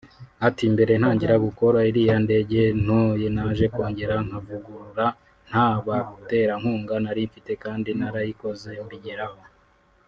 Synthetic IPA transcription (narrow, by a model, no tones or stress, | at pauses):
atimbe̞ɾe̞n̥haːɲɟeɾaɡuko̞ɾaiɾiːjande̞ɟe̞n̥oje̞naʒe̞ko̞ːɲɟe̞ɾaŋ̥avuɡuɾuɾa | n̥haːβaɡute̞ɾaŋ̥huːŋɡanaɾiɱfite̞kaːndinaɾajiko̞ze̞ɾiɟeɾaho̞